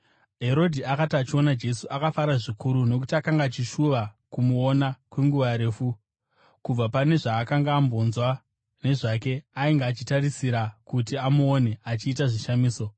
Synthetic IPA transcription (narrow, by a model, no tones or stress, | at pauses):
ɦe̞ɾo̞dʱiakatiat͡ʃio̞nad͡ʒe̞suʔakafaɾaʐikʰuɾuno̞kutiakaŋɡat͡ʃiʃuʋakumuonakwe̞ŋɡuʋaɾe̞ːfu | kub͡vapane̞ʐaːkaŋɡaːmbo̞nzwa | ne̞ʐak̬e̞aiŋɡaːt͡ʃitarisiɾakut̬iamuone̞at͡ʃiːtaʐiʃamiːso̞